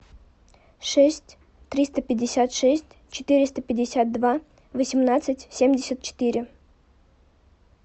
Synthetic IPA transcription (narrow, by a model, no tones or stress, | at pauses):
ʂɛsʲtʲ | t̪ɾʲist̪əpʲɪdʲːɪsʲat̪ʂɛsʲtʲ | t͡ɕɪ̥t̪ɨɾʲɪst̪əpʲɪdʲɪsʲat̪̚d̪va | vəsʲɪmnat̪sɨtʲsʲemdʲɪsʲət̪̚t͡ɕɪ̥t̪iɾʲɪ